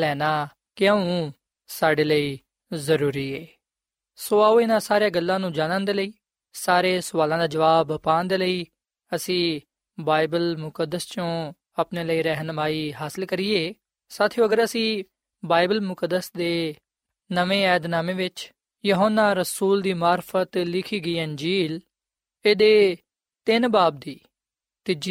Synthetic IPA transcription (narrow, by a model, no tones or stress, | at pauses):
lɛːnaː | kɪaũː | saːɖeːləiː | zəɾuːɾiːɛː | soːaːoːɪnãːsaːɾejaːɡəlːãːnũːd͡ʒaːnãːnd̪eːləiː | saːɾeːsʊʋaːlãːd̪aːd͡ʒəʋaːbpaːnd̪eːləiː | əsĩː | baːɪbəlmʊkəd̪ːəst͡ʃõː | aːpneːləiːɾɛɦnʋaːiːɦaːsɪlkəɾiːeː | saːt̪ʰjõːəɡəɾəsĩː | baːɪbəlmʊkəd̪ːəsd̪eː | nəʋẽːɛːd̪naːmẽːʋɪt͡ʃ | joɦoːnːaːɾəsuːld̪iːmaːɾfʰət̪lɪkʰiːɡəiːənd͡ʒiːl | eːd̪eː | t̪ɪnbaːb̚d̪iː | t̪ɪd͡ʒi